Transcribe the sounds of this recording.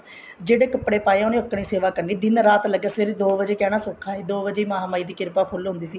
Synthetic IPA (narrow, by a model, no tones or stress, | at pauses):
d͡ʒeːɽeːkəpɽeːpaːẽʊneːʊkːɽ̃iːseːʋaːkəɾniːd̪ɪnɾaːt̪ləɡaːseːɾed̪oːʋəd͡ʒeːkɛːɽ̃aːsoːkʰaːeːd̪oːʋəd͡ʒeːiːmaːɦaːmaːiːd̪iːkɪɾpaːpʰʊlɦʊ̃nd̪iːsiː